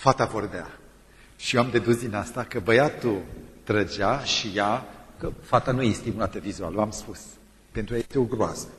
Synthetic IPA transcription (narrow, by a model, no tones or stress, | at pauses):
fat̪avo̞rd̪ea | ʃijoamd̪e̞d̪usd̪inast̪akəbəjat̪ut̪ɾəd͡ʒaʃijakəfat̪anujest̪imulat̪əvizua̰lamspus | pe̞nt̪ɾuajajest̪euɡɾoa̰sə̥